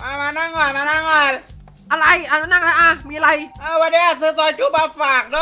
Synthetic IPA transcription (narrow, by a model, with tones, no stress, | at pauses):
maː˧˩maː˧na˧˥˩ŋɔː˧˩maː˧na˧˥˩ŋɔ˧˩ | ʔa˧ɾa˧jʔa˧nu˧˦na˧˩˨ʔla˧ʔa˧˩miː˧ʔa˧ɾa˧jʔaː˧˩waː˧niː˧˦ʔaː˧˩sɯː˨˦sɔː˨˦jt͡ɕuː˧˥˩baː˧˩faː˨˩k̚d